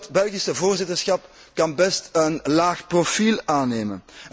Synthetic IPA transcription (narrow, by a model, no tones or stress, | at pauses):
tbɛlˠɣisəvoːrzɪtərsxɑpkɑnbɛstənlaːxprofiːlˠaːneːmə̰n